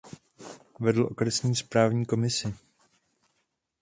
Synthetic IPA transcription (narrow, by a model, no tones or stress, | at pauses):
vɛdl̩ʔo̞kɾɛsɲiːspɾaːvɲiːko̞mɪsɪ